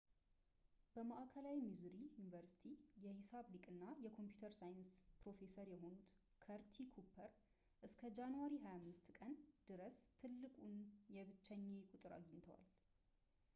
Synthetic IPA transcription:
b̥əmaʔakʰəlawimizuɾijunivəɾsi̥t̪ʰijɛhɪsaβlikʼɨnːajɛkʰo̞mpjut̪ʰəɾsajɨnspɾo̞fe̞səɾjɛɦo̞nut̪ | kʰəɾt̪ʰikʰupʰːəɾ | ʔɨskʰəd͡ʒanuwaɾiɦajamːɨst̪kʼənd̪̥ɨɾəst̪ʰɨlːɨkʼunjɛβɨt͡ʃːɛɲːekʼut̪ʼɨɾa̰ɡiɲt̪ʰəwa̰l

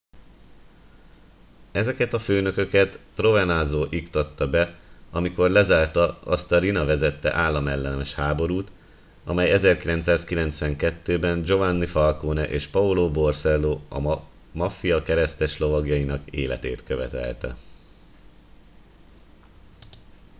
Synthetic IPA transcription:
ɛzɛkɛt̪ɒføːnø̞kø̞kɛt̪pro̞vɛnazoːʔikt̪ɒt̪ːɒbɛɒmiko̞rlɛzaːrt̪ɒɒ̰st̪ɒɾinɒvɛzɛt̪ːɛ̰ʔaːlːɒmɛlːɛnɛʃhaːbo̞ɾuːt̪ | ɒ̰mɛjɛzɛrkilɛnt̪saːskilɛnt̪sʋɛŋkɛt̪ːøːbɛnd͡ʒo̞vanːifɒlkoːnɛʔeːʃpɒuloːbo̞rsɛlːoːɒ̰ | mɒfijɒkɛɾɛst̪ɛʃlo̞vɒɡjɒjinɒkḛːlɛ̰t̪ḛːt̪køvɛ̰t̪ɛ̰lt̪ɛ̰

